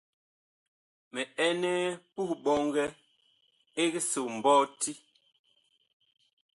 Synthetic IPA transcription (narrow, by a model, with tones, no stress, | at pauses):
mɛ˨ɛ˦nɛ˦pu˦ɓɔ˦ŋɡɛ˦ | e˦ɡe˦so˨m̩˨bɔ˦ti˦